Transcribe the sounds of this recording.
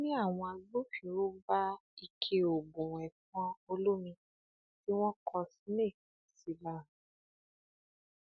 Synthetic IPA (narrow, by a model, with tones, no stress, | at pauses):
nĩ˦a˦˨w̃ɔ̃˧a˧bũ˦fĩ˨˦ɾu˦ba˦i˧kʰe˧o˨bũ˨wɛ˨fɔ̃˦o˧lu˦mĩ˧ | ti˦w̃ɔ̃˦kʰɔ˧si˦ne˦˨ | si˨la˦˨